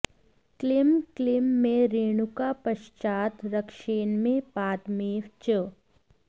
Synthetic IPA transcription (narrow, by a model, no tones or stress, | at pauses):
klɪmklɪmːẽɾeːɳukapɐʃt͡ʃaːt̪ɾɐkʃeːnmẽpaːt̪meːʋt͡ʃə